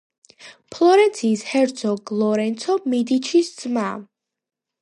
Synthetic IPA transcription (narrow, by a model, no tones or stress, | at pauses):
pʰlˠɔɾɛnt̪sʰiːshɛɾt̪sʰɔɡlˠɔɾɛnt̪sʰɔmid̪it͡ʃʰisd̪z̥ma